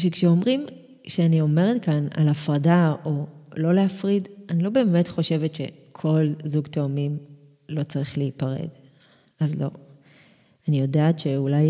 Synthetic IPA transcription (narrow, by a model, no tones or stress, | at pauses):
ʃekʃeo̞mʁim | kʃeanio̞me̞ʁetkana̰lafʁadao̞lo̞le̞afʁidanilo̞be̞ːme̞tχo̞ʃe̞vetʃḛkʰo̞lzuɡto̞amim | lo̞t͡saʁiχleipaʁḛd | azlo̞̰ | anijo̞daːtʃeulaj